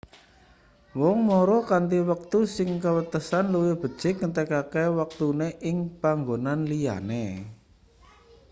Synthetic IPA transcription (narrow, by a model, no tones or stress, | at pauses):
wɔŋmɔɾɔkant̪iwək̚t̪usɪŋkəwət̪əsanluwɪb̥ə̤̥t͡ʃɪkːət̪əkakewək̚t̪uneʔɪŋpaŋɡonanlija̰ne